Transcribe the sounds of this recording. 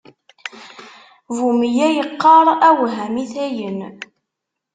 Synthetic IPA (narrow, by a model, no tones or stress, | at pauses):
vumijæjəqːɑɾˤæwɦæmiθæjən